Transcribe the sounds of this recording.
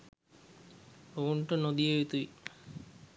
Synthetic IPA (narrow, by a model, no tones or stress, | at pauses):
ouɳʈənod̪ijeet̪uʋi